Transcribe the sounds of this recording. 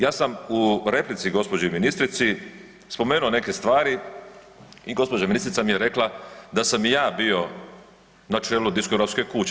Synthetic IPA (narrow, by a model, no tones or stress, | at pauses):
jaːsamuɾe̞plit̪siɡo̞spod͡ʑeminist̪ɾit̪si | spo̞me̞ːnuo̞ne̞ke̞st̪ʋaːɾi | iɡo̞spod͡ʑaminist̪ɾit̪samijeɾe̞klˠad̪asamjaːbio̞ | nat͡ʃeːlud̪iskoɾapske̞kut͡ɕ